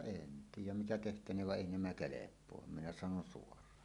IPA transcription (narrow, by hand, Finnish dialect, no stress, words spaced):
en tiːjˑæm mitæ tehtæneːʋ ʋɑ ʔeˑi næmæ kelepˑoɑm minæ sɑnon suorˑɑːn